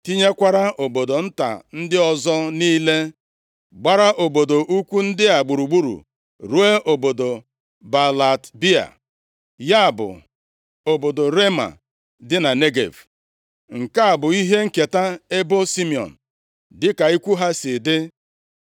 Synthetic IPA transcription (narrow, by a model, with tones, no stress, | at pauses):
ti˦ɲe˦kʷa˦ɾa˦ʔo˨bo˨do˨n̩˦ta̰˨n̩˦dɪ˦ɔ˨zɔ˦niː˦le˦ | ɡ͡ba˦ɾa˦ʔo˨bo˨do˨ʔu˦kʷu˦n̩˦dɪ˦a˨ɡ͡bu˨ɾu˨ɡ͡bu˦ɾṵ˨ | ɾu˦e˦ʔo˨bo˨do˨ | ba˨la˨tbi˦a̰˨ | ja˦a˨bʊ̰˨ | o˨bo˨do˨ɾe˦ma̰˨ | dɪ˦na˨ne˦ɡḛ˨v | ŋ̩˨ka˦a˨bʊ˨i˦ɦe˦ŋ̩˦ke˨ta˦e˦bo˦si˦mi˨ɔ̰˨n̩˨ | dɪ˦ka˨i˦kʷu˦ɦa˦sɪ˨dɪ˦